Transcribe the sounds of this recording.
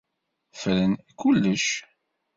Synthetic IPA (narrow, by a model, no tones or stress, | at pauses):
fəɾənkulːəʃ